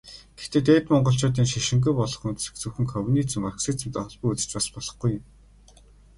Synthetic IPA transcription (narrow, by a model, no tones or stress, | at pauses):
ɡ̥ext̪eːt̪eːt̪mɔɴɢɞ̆ɬt͡ɕʊːt̪iːŋʃiʃɪ̆ŋɡ̬ujpɔɮɞ̆χunt̪̆se̥kt͡sŭwxɘ̆ŋkʰɔwʲniːt͡sɘ̆maksiːt͡sɘ̆mt̪ɔɮpŭːut͡sɘ̥̆t͡ɕpaspɔɮɞ̆χɡujʊ̆m